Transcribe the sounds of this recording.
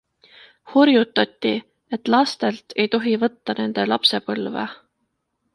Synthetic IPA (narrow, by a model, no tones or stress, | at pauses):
horjut̪ːˑɑt̪ʲːi | e̞t̪ːˑlɑst̪e̞lt̪e̞jt̪o̞ɦivɤt̪ːɑne̞nd̪̥e̞lɑpse̞pɤlvḛ